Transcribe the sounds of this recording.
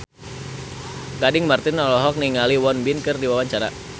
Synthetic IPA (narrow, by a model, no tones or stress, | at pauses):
kadɪŋmart̪ɪnɔlɔɦɔk̚niŋaliwɔnbinkɨrdiwawaɲt͡ʃaɾa